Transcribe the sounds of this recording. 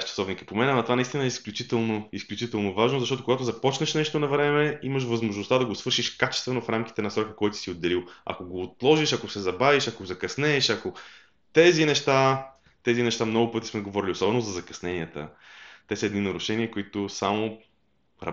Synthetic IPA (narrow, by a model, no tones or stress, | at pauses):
ʃt͡ʃɐ̥sɔvnikə̥pomɛnamɐt̪ovanɐist̪inəɛisklʲut͡ʃit̪ɛlˠnoisklʲut͡ʃit̪ɛlˠnovaʒnozɐʃt̪ɔt̪okoɡat̪ozɐpɔt͡ʃnɐʃnɛʃt̪onɐvɾɛmɛimɐʃ̬vɐzmoʒnʊst̪ad̪ɐɡosvɤɾʃiʃkat͡ʃɛ̥st̪vɛnofɾamk̟i̥t̪ɛnɐsɾɔkəkɔjt̪o̥siod̪ːɛlilˠɐ̰koɡoːt̪lˠɔʒiʃɐkosɛzɐbaviʃɐkozɐkɐsnɛːʃɐko | t̪ɛzinɛʃt̪a | t̪ɛzinɛʃt̪amnɔɡʊpɤt̪i̥smɛɡovɔɾiliosɔbɛnozɐzɐkɐ̥snɛniət̪ə̰t̪ɛsəɛd̪ninɐɾʊʃɛniəkoit̪osamo | ɾɐ̰